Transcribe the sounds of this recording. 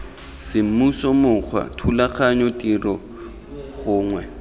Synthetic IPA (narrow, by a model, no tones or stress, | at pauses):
sɪm̩musɔmʊk͡xʰwa̰tʰulaχaɲɔtirɔ | ɣʊːŋwɛ